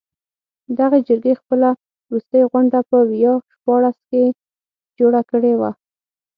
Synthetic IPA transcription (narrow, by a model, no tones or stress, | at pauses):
d̪aɣed͡ʒəɾɡexpəla | wɾust̪əjɣʊɳɖapəjɑʃpɑɽaske | d͡ʒoɽakəɽewa